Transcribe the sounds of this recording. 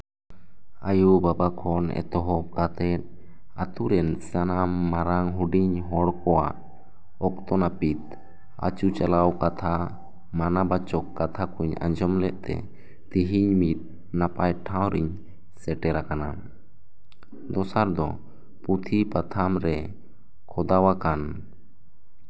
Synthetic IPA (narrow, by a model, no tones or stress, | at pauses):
ajubabakʰɔnɛ̰t̪ɔɦɔkat̪ɛt̪̚ | at̪uɾɛnsanamːaɾaŋɦuɖiɲɦɔɽkɔwa̰ʔ | ɔk̚t̪ɔnapit̪̚ | a̰t͡ʃut͡ʃalawkat̪ʰa | manabat͡ʃɔkːat̪ʰakuɲa̰ɲd͡ʒɔmlɛʔt̪ɛ̰ | t̪iɦiɲmit̪̚ | napajʈʰaw̃ɾiɲ | sɛʈɛɾakana̰ | d̪ɔsaɾd̪ɔ̰ | put̪ʰipat̪ʰamɾɛ | kʰɔd̪awakan